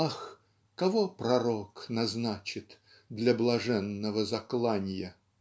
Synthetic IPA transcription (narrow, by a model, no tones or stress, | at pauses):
ax | kɐvopɾɐɾoknɐznat͡ɕɪt̪ | d̪lʲɐblˠɐʐɛnːəvəzɐklˠanʲjə